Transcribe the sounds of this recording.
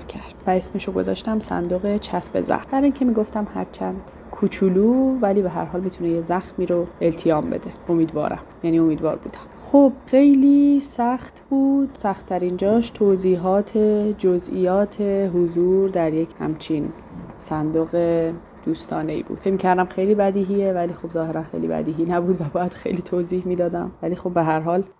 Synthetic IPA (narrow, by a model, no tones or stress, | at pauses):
cʰæɾd̪̥bæesmeʃoɡo̞̰zɒ̰ːʃt̪æmsæ̰nd̪oɣet͡ʃʰæsbḛzæ̰xmbæɾiŋcʰemiːɡo̞ft̪æmhæ̰ɾt͡ʃʰænd̪̥ | kʰut͡ʃʰuluːvæliːbeɦæ̰ɾɦɒːlmiːt̪ʰunejezæxmiːɾoelt̪ʰijɒːmbe̞̰d̪e̞o̞miːd̪vɒ̰ːɾʔæ̰mjæniːo̞miːd̪vɒ̰ːɾbṵːd̪æm | xob̥̚xe̞jliːsæxt̪b̥uːd̪̥sæxt̪ʰːæɾind͡ʒɒːʃt̪ʰoziːɦɒːt̪ʰed͡ʒozʔḭːjɒːt̪ʰeɦozuːɾd̪æɾjecʰhæ̰mt͡ʃʰin | sænd̪oɣe | d̪̥uːst̪ʰɒːneḭːbṵːd̥̪fejmiːcʰæɾd̪æmxejliːbæd̪iːɦievæliːxobzɒːheɾænxḛjlḭbæ̰d̪iːɦiːnæbuːd̪væbɒjæd̪̥xejliːt̪ʰoziːhmiːd̪ɒːd̪æ̰mvæliːxobːeɦæɾɦɒːl